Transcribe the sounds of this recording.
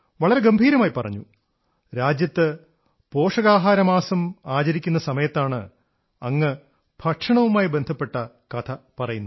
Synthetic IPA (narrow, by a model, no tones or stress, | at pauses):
ʋɐɭɐɾe̞ɡɐmbʱiːɾjɐmaːjipɐrɐɲːu | ɾaːd͡ʑjɐt̪ːɨ | po̞ːʂɐɣaːɦaːɾɐmaːsɐmaːt͡ɕɐɾikʲːunːɐsɐmɐjɐt̪ːaːɳɨ̰ | ɐŋːɨ | b̥ʱɐʈʂɐɳɐʋumaːjibe̞nd̪ʱɐpːe̞ʈːɐ | kɐt̪ʰɐpɐrɐjunː